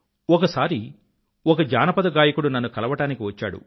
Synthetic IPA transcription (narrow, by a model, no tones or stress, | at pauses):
ɔkɐsaːɾi | ɔkɐd͡ʒaːnɐpɐd̪ɐɡaːjɐkuɽunɐnːukɐlɐʋɐʈaːnikiʋɐt͡ʃːa̰ːɽṵ